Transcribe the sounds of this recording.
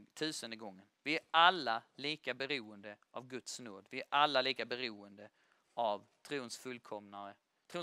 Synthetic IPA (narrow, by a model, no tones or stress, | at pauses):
t̪ʰʉ̟ːsənd̪əɡɔŋːənvɪæɾalːaliːkabɛɾuːənd̪əʔavɡɵt̪snoːd̪vɪæɾʔalːaliːkabɛɾuːənd̪ə | ʔavt̪ʰɾuːnsfɵlkʰɔmnaɾə | t̪ʰɾuː